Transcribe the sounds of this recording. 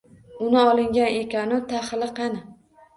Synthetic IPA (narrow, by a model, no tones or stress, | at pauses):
ʊnɪɒlˠɪŋɡʲanekʲanʊt̪ʰaχlɪqɑnɪ